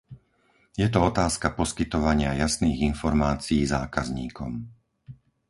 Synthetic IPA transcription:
jɛt̪ɔɔt̪aːskapɔskit̪ɔʋaɲɪajasniːɣinfɔɾmaːt͡sijiːzaːkazɲiːkɔm

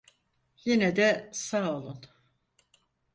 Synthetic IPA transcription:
jenɛd̪ɛsaolˠun

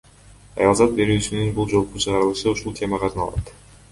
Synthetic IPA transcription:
ɑ̰jɑlˠzɑt̪̚be̞ɾyːsynynbulˠd͡ʒo̞lˠqut͡ʃʰɯʁɑɾɯlˠɯʃɯuʃulˠt̪ʲʰe̞mɑqʰɑɾnɑlˠɑ̰t̪

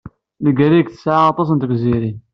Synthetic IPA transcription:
ləɡæɾikθə̥sʕaɑt̪ˤɑs̬ənt̪ɡziɾin

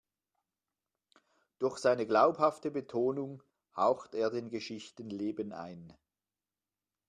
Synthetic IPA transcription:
d̥ʊɐxz̥aɪnəɡlaʊphaftəbətʰoːnʊŋ | haʊxteːɐdeːnɡəʃɪçtənleːbəna̰ɪn

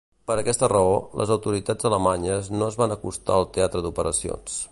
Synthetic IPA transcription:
pəɾəkɛst̪ərəolə̰zəwt̪uɾit̪ad͡zələmaɲəznoəzβanəkust̪a̰əlˠt̪eat̪ɾəd̪upəɾəsio̰ns

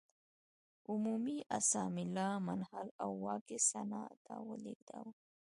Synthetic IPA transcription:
umumiʔasɑmɪlɑmanhalawːɑkɪsanɑt̪ʰawəleɡ̚d̪aw

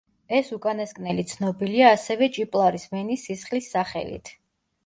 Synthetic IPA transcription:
ɛsukʼanaskʼnɛlit̪sʰnɔbiliaːsɛvɛt͡ʃʼipʼlˠaɾismɛnisisχlisːaχɛ̰lḭt̪ʰ

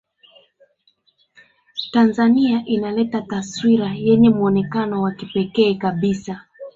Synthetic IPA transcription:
tanzaniaʔinalɛtataswiɾajɛɲɛmuɔnɛkanɔwakipɛkɛːkaɓisa

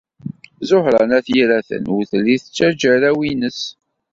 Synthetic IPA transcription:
zoħɾˤɑnæθjiɾæθə̰nʊθlːiθət͡sːæd͡ʒæɾæwinəs

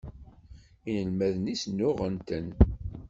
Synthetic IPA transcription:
inəlmæðnisnːʊʁənt̪ən

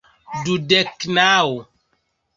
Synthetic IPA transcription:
dudɛknaːo

